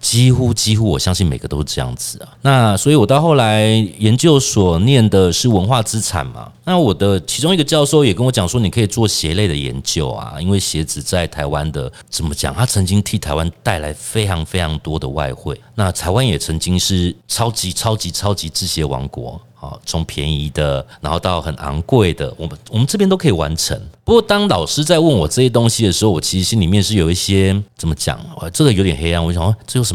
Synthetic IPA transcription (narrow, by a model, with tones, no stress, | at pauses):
t͡ɕi˥xu˦t͡ɕi˥xu˦˥wɔ˨˩ɕjɑ˥ŋɕi˥˩nme˨˩ɪɡə˩t̪o˥ʊʂ̩˥˧˩ʈ͡ʂɤ˥˧jɑ̰˥˩ŋd͡zɹ̩˨˩a˩na˥˨swɔ˧˥i˨wɔ˨˩t̪ɑ˥˧xo˥˩ʊla˧˦ɪjɛ˧˦nt͡ɕjo˥˩ʊswɔ˨˩njɛ˥˩nd̪ə˩ʂɻ̩˥˩wə˧˦˥nxwa˥˨t͡sɹ̩˦t͡sʰa̰˨˩nma̰˩na˥˨wɔ˨˩d̪ə˦t͡ɕʰi˧˥t͡sʊ˥ŋi˥˩ɡə˨˧t͡ɕjɑ˥˧ʊʂo˥˩ʊjɛ˨˩kə˥nwɔ˧˥t͡ɕjɑ˨˩ŋʂwɔ˥ni˨˩kʰɤ˧˥i˨˩t͡swɔ˥˩ɕjɛ˧˦le˥˩ɪd̪ə˩jɛ̰˧˦nt͡ɕjo˥˨ʊa̰˩i˥nwe˥˩ɪɕjɛ˨˧˥t͡sɹ̩˨˩t͡sa˥˩ɪt̪ʰa˧˥ɪwa˦nd̪ə˨ | t͡sə˨˩nmə˦t͡ɕja̰˨˩ŋt̪ʰa˥t͡sʰə˧˦˥ŋt͡ɕi˦˥ŋt̪ʰi˥˩t̪ʰa˧˥ɪwa˦nt̪a˥˩ɪla˧˥ɪfe˥ɪʈ͡ʂʰɑ˧˥ŋfe˥ɪʈ͡ʂʰɑ˧˥ŋt̪wɔ˥d̪ə̰˨wa̰˥˧ɪxwe˥˩ɪna˥˨t̪ʰa˧˥ɪwa˦njɛ˨˩t͡sʰə˧˦ŋt͡ɕi˦˥ŋʂɻ̩˥˩ʈ͡ʂʰɑ˥ʊt͡ɕi˧˥ʈ͡ʂʰɑ˥ʊt͡ɕi˧˥ʈ͡ʂʰɑ˥ʊt͡ɕi˧t͡sɹ̩˥˩ɕjɛ˥wɑ̰˧˥ŋkwɔ̰˧˥˦hɔ̰˨˩ʈ͡ʂʊ˧˥ŋpʰjɛ̰˧˥ni˧˥d̪ə˨na˧˥xo˥˧t̪ɑ˥˩ʊxə˨˩na̰˧˥ŋkwe˥˩ɪd̪ə̰˩wɔ̰˨˩mə˦nwɔ˨˩mə˦nʈ͡ʂɤ˥p̬jɛ˥nt̪o˥ʊkʰi˨˩wa̰˧˦nʈ͡ʂʰə̰˧˦ŋpu˧˥kwɔ˥˨˩t̪ɑ˥ŋlɑ˨˩ʊʂɻ̩˥t͡sa˥˧ɪwə˥˩nwɔ˨˩ʈ͡ʂɤ˥˧ɕjɛ˥t̪̬o˥ŋɕi˨d̪ə˨ʂɻ̩˧˥xo˥˩ʊwɔ̰˨˩t͡ɕʰi˧˥ʂ̩˧˥ɕi˦˥nli˨˩mjɛ˥˧nʂɻ̩˥˩˨jo˨˩ʊi˥˩ɕjɛ˦t͡sə˨˩mə˦t͡ɕja̰˨˩˦ŋɛ̰˧˩ʈ͡ʂɤ˥˩ɡə˨jo˧ʊt̪jɛ˨˩nxe˥ɪja˧˥nwɔ˨˦˥ɕjɑ˨˦a˥˩ʈ͡ʂɤ˥˩jo˧˥ʊʂə˧˦